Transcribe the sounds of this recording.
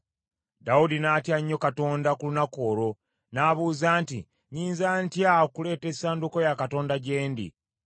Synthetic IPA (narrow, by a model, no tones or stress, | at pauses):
daudinaːtjaɲːo̞kato̞ːndakulunako̞ːɾo̞ | naːβuːzaːntḭ | ɲiːnzaːntjakule̞ːte̞saːnduko̞jakato̞ːndaɟe̞ːndḭ